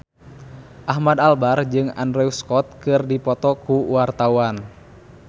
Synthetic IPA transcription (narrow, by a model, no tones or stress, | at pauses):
ʔaɦmadalbard͡ʒɨŋa̰ndɾɛuskɔt̪̚kɨrdipɔt̪ɔkuwart̪awan